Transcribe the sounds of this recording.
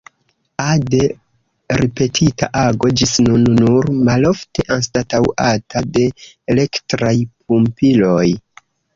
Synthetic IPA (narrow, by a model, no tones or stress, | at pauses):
ade̞ | ɾipe̞tʰita̰ʔaɡo̞d͡ʒisnunːuɾmalo̞fte̞ʔanstatawʔatʰade̞ː | le̞ktɾajp̚ʰumpilo̞j